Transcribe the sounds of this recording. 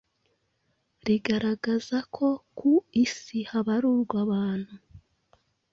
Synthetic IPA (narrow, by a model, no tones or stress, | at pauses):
ɾiɡaɾaɡazakʰokʰuisihaβaɾuːɾɡwaβaːn̥hu